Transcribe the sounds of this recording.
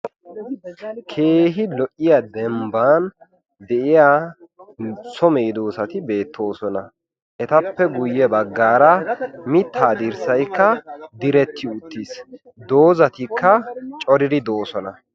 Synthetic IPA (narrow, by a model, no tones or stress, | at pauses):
kʰe̞ːɦɪlɔʔːɪjad̪ɛmbaːn | d̪ɛʔɪjaː | sɔmeːd̪o̞ːsɐt̪ɪbe̞ːt̪ːo̞ːsɔnɐ | ʔɛt̪ɐpːɛɡʊjːɛbɐɡːaːɾɐmɪt̪ʰːaːd̪iɾsɐjkːɐd̪ɪɾɛt̪ːɪʊt̪ːis | d̪o̞ːzɐt̪ɪkʰːɐt͡ʃʼɔɾɪd̪ɪd̪o̞ːsɔnɐ